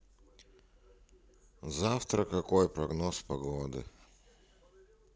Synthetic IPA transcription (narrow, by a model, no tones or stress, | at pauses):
zaft̪ɾəkɐkojpɾɐɡnospɐɡod̪ɨ̰